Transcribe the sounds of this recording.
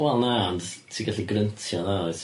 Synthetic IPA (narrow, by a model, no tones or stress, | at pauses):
wɛlˠnandtʰiːɡaɬiɡɾəntʰjɔnaɔjð